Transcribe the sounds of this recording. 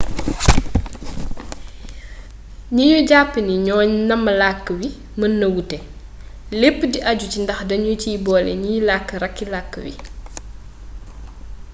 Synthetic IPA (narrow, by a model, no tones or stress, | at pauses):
ɲiɲuɟapːəniɲɔːɲnɐmːɐlakːəwi | mənːɐwutɛ | lepːdiʔɐɟucindɐxdɐɲuciːbɔːlɛ̰ɲilakːəɾɐkːilakːəwḭ